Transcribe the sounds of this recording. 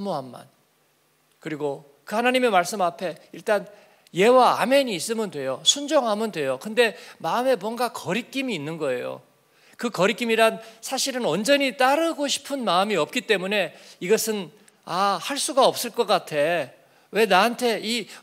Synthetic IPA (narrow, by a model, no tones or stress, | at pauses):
moɦamːa̰n | kɯɾiɡo | kɯhanaɲime̞maɭs͈ɯmapʰe̞iɭt͈an | je̞waa̰me̞ɲiːs͈ɯmɯndwe̞josʰund͡ʑoŋɦamɯndwe̞jokɯnde̞maɯme̞mwʌnɡakʌɾik͈imiːnːɯnɡʌe̞̰jo̰ | kɯkʌɾik͈imiɾansʰaɕʰiɾɯnwʌnd͡ʑʌɲit͈aɾɯɡoɕʰi̥pʰɯnmaɯmiʌp̚k͈it͈e̞mune̞iɡʌsʰɯn | ahaɭs͈uɡaʌp̚s͈ɯɭk͈ʌk͈atʰe̞ | we̞naɦantʰe̞i